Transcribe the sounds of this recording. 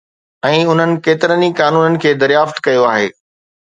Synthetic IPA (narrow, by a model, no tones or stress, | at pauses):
ɛ̃ːʊn̤ənɪ̆keːt̪ɪɾənikaːnuːnənɪ̆kʰeːd̪ɐɾjaːft̪kɐjoaːɦeː